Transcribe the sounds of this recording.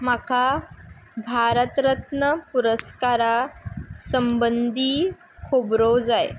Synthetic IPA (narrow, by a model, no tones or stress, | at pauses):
maka | bʱaɾət̪ɾət̪nəpuɾəskaɾasəmbənd̪ʱiː | kʰubɾod͡zaj